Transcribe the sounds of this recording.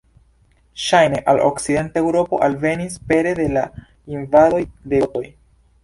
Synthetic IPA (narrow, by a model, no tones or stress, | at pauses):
ʃajne̞ʔalʔo̞̰kside̞ntae̞wɾo̞po̞̰ʔalve̞nispe̞ɾe̞de̞la | invado̞jdeto̞j